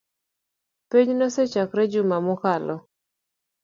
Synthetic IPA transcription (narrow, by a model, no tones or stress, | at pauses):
peɲnɔset͡ʃakɾɛd͡ʒʊmamʊkalɔ